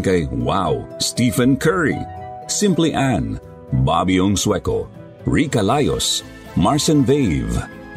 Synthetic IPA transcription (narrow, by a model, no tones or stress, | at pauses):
kajwawstifə̃nkʰɜ˞ɹḭsɪ̃mpliʔæ̃n | ba̰biɔ̃ŋswɛko̰ | ɹikalajo̰s | maɹsə̃nveɪv